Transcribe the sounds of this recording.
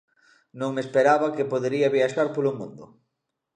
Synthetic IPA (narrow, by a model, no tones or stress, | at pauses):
nõŋmespeɾaβakepoðeɾiaβiaʃaɾpolomũnd̪ʊ̰